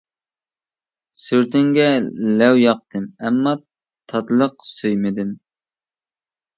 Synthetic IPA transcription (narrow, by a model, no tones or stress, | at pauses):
syɾt̪ʰɪŋɡʲɛlɛwjɑq̚t̪ʰɨmɛmːɑ | t̪ʰɑt̪lˠəqsøjmɪd̪ɪm